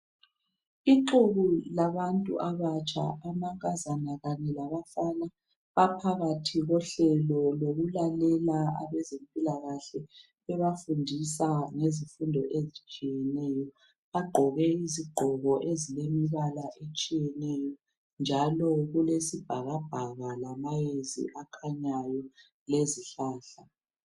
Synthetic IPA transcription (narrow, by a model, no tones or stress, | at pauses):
iǃuɣulaβantʼṵʔaβat͡ʃʼa̰ʔamaŋkʼazanaɣaɲɛlaβafaːna | βapʰaɣatʰiɣɔɬɛlɔloɣulalɛlaa̰βɛzempʼilaɣaɬɛ | ɛβafundʱisaŋezifundʱɔʔezit͡ʃʼijɛnɛjɔ | βaɡ͡ǃʱɔɣɛiziɡ͡ǃʱɔɣɔʔezilemiβalaʔet͡ʃʼijɛnɛjɔ | nd͡ʒʱalɔɣulesib̥ʱaɣab̥ʱaɣalamajezḭʔakʰaɲajɔ | leziɬaːɬa